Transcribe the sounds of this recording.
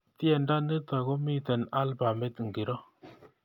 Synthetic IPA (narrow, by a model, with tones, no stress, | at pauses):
ti˦ɛ˨nda˦nə˦t̪a˨ko˦mi˦tɛ˨na˦lba˨me˦t̪ŋɡi˨ɾɔ˦